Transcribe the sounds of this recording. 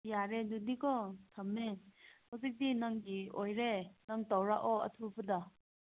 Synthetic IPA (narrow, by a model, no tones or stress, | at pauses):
jaɾedudikɔtʰɐmːehawzik̚dinaŋɡiojɾenaŋtawɾaʔɔɐ̰tʰubɐda